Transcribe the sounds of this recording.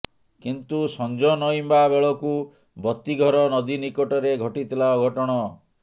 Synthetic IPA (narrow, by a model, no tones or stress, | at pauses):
kint̪usɔnd͡ʒɔnɔjmbabeɭɔku | bɔt̪ːiɡʱɔɾɔnɔd̪inikoʈɔɾeɡʱɔʈit̪ʰilaɔɡʱɔʈɔɽ̃ɔ